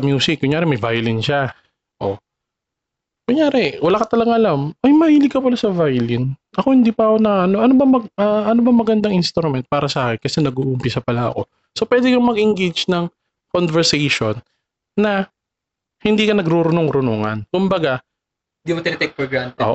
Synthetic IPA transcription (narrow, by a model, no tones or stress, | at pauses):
ɐmjuːsɪkːjʊŋjaːɾɛmɐjvajɐlɪnʃa | ʔo̞̰ | jʊŋjaːɾɛwɐlaːkɐt̪ɐlɐɡaŋʔɐlamːɐjmɐhiːlɪɡ̚kːɐpɐlasɐvajlɪnʔɐko̞hɪnd̪iːpɐɐkonɐɐnoʔɐnobɐmɐɡ̚ɐʔɐnobɐmɐɡɐnd̪aŋʔɪnst̪oɾmɛnt̪̚paːɾɐsɐʔaːkɛnkɐsɛnɐɡuʔːʔʊmpɪsɐpɐlaɐ̰ko̞ | so̞pwɛːd̪ɛkɐmɐɡʔɪŋɡejd͡ʒnɐŋ | konvɛɹsɛjʃonː | ɐ | hɪnd̪iːkɐnɐɡɾuɾʊnoŋɾʊnoːŋɐnkʊmbɐɡa | ɪnd̪iːmot̪ɪnɐt̪ɛk̚pɛɡɾant̪oːʔ